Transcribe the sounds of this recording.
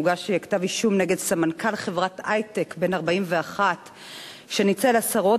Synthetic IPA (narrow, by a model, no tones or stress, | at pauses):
uɡaʃejaktaviʃumneɡedsamankalχevʁatajtekbe̞naʁbaimve̞aχat | ʃe̞nit͡selasaʁo̞